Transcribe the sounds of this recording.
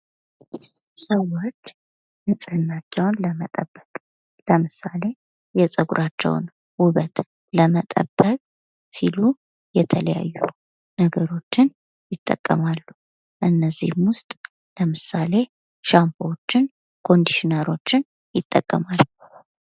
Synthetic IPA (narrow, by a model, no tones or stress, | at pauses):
səwot͡ʃː | mɨsʼɨhɨnːat͡ʃːɛwnləmət̪ʼəbːəkʼ | ləmɨsale̞ | jɛsʼəɡuɾʔat͡ʃːɛ̰w̰n | wʊβət̪ | ləmət̪ʼə̰bːəkʼ | silu | jɛt̪ʰələja̰jːu | nəɡəɾo̞t͡ʃːɪn | jɪt̪ʼːə̰kʼːəmalːu | ʔɨnːəzːḭhmwʊst̪ʼ | ləmɨsale̞ | ʃampʰot͡ʃːɪn | kʰo̞nd̪iʃinəɾo̞t͡ʃːɪn | jɪt̪ʼːəkʼːəmalːu